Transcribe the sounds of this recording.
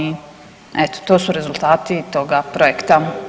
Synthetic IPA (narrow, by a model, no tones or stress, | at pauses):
i | ɛt̪o̥t̪oːsuɾezulˠt̪aːt̪it̪oɡapɾojekt̪a